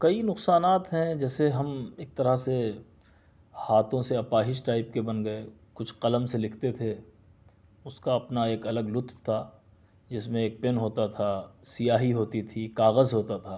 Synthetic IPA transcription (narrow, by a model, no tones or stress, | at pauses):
kɐinʊqsaːnaːt̪ɦɛ̃d͡ʒɛːseɦɐmeːk̚t̪ɐɾase | haːt̪ʰõseɐpaːɦɪʃʈaːɪp̚kebɐnɡɐe | kʊt͡ʃʰqɐləmselɪkʰt̪et̪ʰe | ʊskaɐpnaeːkɐləɡlʊt̪ft̪ʰaː | d͡ʒɪsmẽeːk̚pɪnɦoːt̪at̪ʰasijaːɦiɦoːt̪it̪ʰikaːɣəzɦoːt̪at̪ʰaː